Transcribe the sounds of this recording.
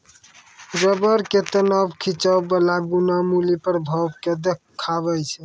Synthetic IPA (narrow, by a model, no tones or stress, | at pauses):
ɾəbəɾket̪ənɔbkʰit͡ʃəwbəlaɡunamulipəɾbʱɔbked̪e | kʰːaβɛjt͡ʃʰɛ